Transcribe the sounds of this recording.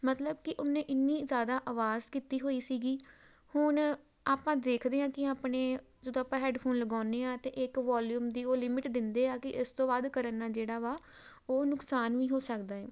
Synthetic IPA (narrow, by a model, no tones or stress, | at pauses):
mət̪ləb̚kɪʔʊnːẽːʔɪnːiːzjaːd̪aːʔaːʋaːzkiːt̪iːɦoːiːsiːɡiː | hʊn | aːpãːd̪eːkʰd̪eːɦãːkɪaːpneː | d͡ʒəd̪õːaːpãːɦɛːɖpʰoːnləɡaːneːãːt̪eːʔɪkʋaːljuːmd̪iːoːlɪmɪʈd̪ɪnd̪eːãːkɪʔɪst̪õːbaːd̪kəɾənːaːd͡ʒeːɽaːʋaː | oːnʊksaːnʋiːɦoːsəkd̪aːɛː